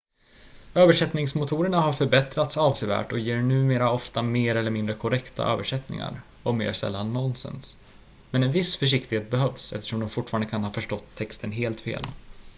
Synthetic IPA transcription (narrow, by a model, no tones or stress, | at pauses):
øːvəʂɛt̪nɪŋsmʊt̪ʰuːɾəɳaɦaɾfœɾbɛt̪ɾat̪sɑːvseːvæ̰ːʈɔjeːɾɳʉ̟ːmeːɾaɔft̪ameːɾɛlːəɾmɪnd̪ɾəkʰɔɾɛkt̪ʰa̰ʔø̰ːvəʂɛt̪nɪ̰ŋa̰ɾ | ɔmḛːɾsɛ̰lːanːɔnsɛ̰ns | mɛnɛnvɪsfœʂ̬ɪkt̪ɪɡheːt̪̚bɛɦœvsɛft̪əʂɔmd̪ɔmfʊʈːfːɾand̪əkʰanhɑːfœʂʈɔt̪ʰːɛkst̪ənɦeːlt̪fḛːl